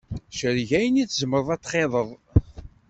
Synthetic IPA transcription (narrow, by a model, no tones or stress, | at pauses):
ʃəɾʝæjəniθzəməɾˤəðˤæt̪ːχeðˤəðˤ